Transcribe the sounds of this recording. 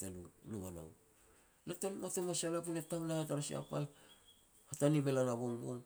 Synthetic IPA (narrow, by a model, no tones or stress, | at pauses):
tallumana̰w | latonotomasialapunetaŋnahataɾasia̰pal | hatanimelanaβoŋbo̰n